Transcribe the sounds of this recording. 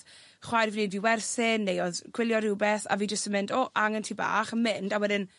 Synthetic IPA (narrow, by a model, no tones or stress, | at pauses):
χwajrviniːdviːwɛrθɪnːejɔðɡ̥wɪlˠjɔɾɪːbɛθa̰viːd͡ʒəstəmɪndoʔaŋəntʰiːba̰ːχəmɪndawɛdɪn